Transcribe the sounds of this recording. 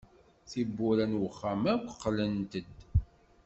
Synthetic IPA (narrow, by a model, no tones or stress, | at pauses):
θibːuɾænwəχːæmækʷːə̥qːlənt̪əd̪